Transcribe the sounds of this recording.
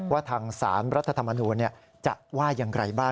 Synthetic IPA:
waː˥˩t̪ʰaː˧ŋsa̰ː˩˦nɾa˦˥t̪ʰːa˧t̪ʰa˧mːa˧nuː˧nːi˥˩ɐ | t͡ɕa̰˨˩ʔwaː˥˩ja˧ŋɾa˧jbaː˥˩

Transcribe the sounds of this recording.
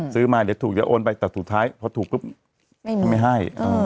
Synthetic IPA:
sɯː˦˥maː˧˩d̪iː˨˦wt̪ʰuː˨˩k̚ja˦˥ʔoː˧npa˧jt̪ɛː˨˩sʰu˨˩t̚t̪ʰːaː˦˥jpʰɔ˧t̪ʰuː˨˩k̚pɯ˦˥p̚ʰ | a˧ma˥˩jɦa˥˩jʔaː˧˩

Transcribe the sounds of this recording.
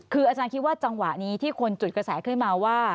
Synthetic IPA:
kʰɯː˧ʔaː˧t͡ɕaː˧nkʰi˦˥t̪̚waː˥˩t͡ɕa˧ŋwa˨˩ʔniː˦˥t̪ʰiː˥˩kʰo˧nt͡ɕu˨˩t̪̚kɾa˧sɛː˩˦kʰɯ˥˩nmaː˧waː˥˩

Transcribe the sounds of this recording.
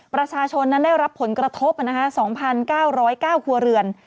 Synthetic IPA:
pɾa˧t͡ɕʰaː˧t͡ɕʰo˧nːa˦˥ndaː˥˩jɾa˦˥pʰːo˩˦nkɾa˧t̪ʰo˦˥p̚na˦˥kʰa˦˥sɔː˩˦ŋpʰa˧nkaː˥˩wɾɔː˦˥jkaː˥˩wkʰu˧ɐɾɯ˧ən

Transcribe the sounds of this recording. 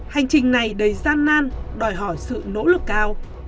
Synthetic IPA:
ha˨˩jŋ̟t͡ɕï˨˩ŋ̟na˨˩jɗə˨˩jzaː˧nːaː˧nɗɔ˨˩jɦɔ˧˩jsɨ̰˧˨no̰˧˥lɨ˨˩kːaː˧w

